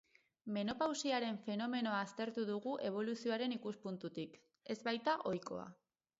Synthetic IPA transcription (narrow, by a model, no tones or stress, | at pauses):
me̞no̞pawsiaɾe̞ɱfe̞no̞me̞no̞aːst̪e̞ɾt̪uðuɣuʔe̞β̞o̞lusio̞aɾe̞nikuspunt̪ut̪ik | e̞zβajt̪aʔo̞jko̞̰a̰